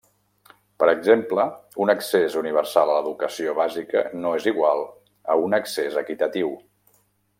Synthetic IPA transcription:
pəɾəɡzempləunəksezuniβ̞əɾsalˠələðukəsioβazikə̰noeziɣwalˠ | ə̰unəksezəkit̪ət̪iw

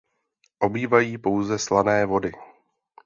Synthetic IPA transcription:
ʔo̞biːvajiːpo̞wzɛslanɛːvo̞dɪ

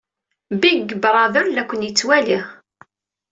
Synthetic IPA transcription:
biɡːəbɾˤɑðʊɾlækʷːənjət͡sːwæliʁ

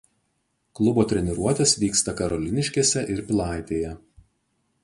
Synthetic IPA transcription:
klˠʊboːt̪ʲɾʲɛnʲɪɾuɔt̪ʲesʋʲiːkst̪ɐkɐɾɔlʲɪnʲɪʃʲkʲeːsʲɛʔɪɾpʲlˠɑˑɪt̪ʲeːjɛ

